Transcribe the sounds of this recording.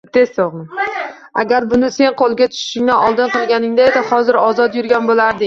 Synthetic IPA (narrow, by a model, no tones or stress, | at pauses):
t̪ʰesoʁmɪ | a̰ɡʲaɾbʊnɪse̞nqʰolˠɡʲat̪ʰʊ̥ʃɪ̥ʃɪŋnaɒlˠd̪ɨnqʰɨlˠɡʲanɪŋd̪aed̪ɪhɒzɪɾɒzɒt̪jʊɾɡʲanbolaɾd̪ɪ